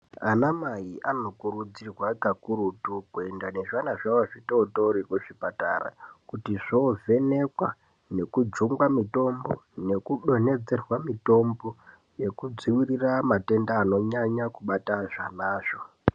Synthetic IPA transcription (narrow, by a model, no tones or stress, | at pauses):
anamajiʔano̞kuɾud͡zirwaɡakuɾutukue̞ndane̞ʐanaʐaoʐitotoɾikuʐipata̰ra̰kutiʐovʱe̞ne̞kwa | ne̞kud͡zuŋɡwamito̞mbo̞ne̞kuɗo̞ne̞d͡ze̞rwamito̞mbo̞ | je̞kud͡ziwiriramate̞ndaːno̞ɲaɲakuɓataʐanaːʐo